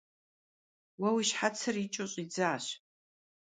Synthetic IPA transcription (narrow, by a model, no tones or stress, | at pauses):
wawiʃħat͡sʰɨrit͡ʃʼoɕʼid͡zaːɕ